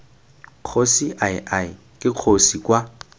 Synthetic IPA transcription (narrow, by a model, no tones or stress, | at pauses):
q͡χʰosiʔaɪ̰ʔaɪ | kʼɪq͡χʰosikʼwa